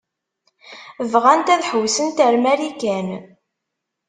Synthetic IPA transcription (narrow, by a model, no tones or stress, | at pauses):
vʁænt̪æðħəwsənt̪əɾmæɾikæn